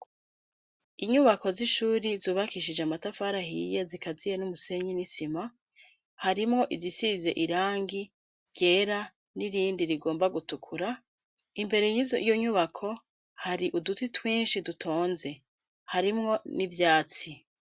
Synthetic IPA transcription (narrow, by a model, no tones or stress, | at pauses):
iɲuβako̞ziʃuːɾizuːβakiʃid͡ʒeamatafaːɾaɦḭjezikazijenumuse̞ɲinisima | haɾimŋo̞ʔizisize̞ʔiɾaːŋɡi | ɟ̥e̞ːɾa | niɾiːndiɾiɡo̞ːmbaɡutukʰuɾa | imbe̞ɾe̞jizijoɲuβakʰo̞ | haɾiʔudutitwiːnʃidutʰo̞ːnze̞ | haɾimŋo̞nivjaːt͡si